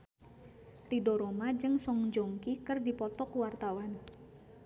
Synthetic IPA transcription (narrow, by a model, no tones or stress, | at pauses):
ridoɾomad͡ʒɨŋsɔŋd͡ʒɔŋkikɨrdipɔt̪ɔkuwart̪awan